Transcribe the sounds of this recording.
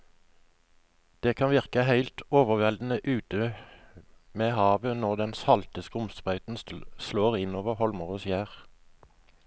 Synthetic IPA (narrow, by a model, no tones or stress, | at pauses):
d̪̥eːkʰɑnʋɪʁkəhæɪlt̪oːʋəʁʋɛld̪n̩əʔʉːt̪ə | meːhɑːʋənɔʁd̪ɛnsɑlt̪əskəʊmst̪ʁɑʉt̪n̩sloːʁɪnoːʋəʁhɔlməʁoːsjæːʁ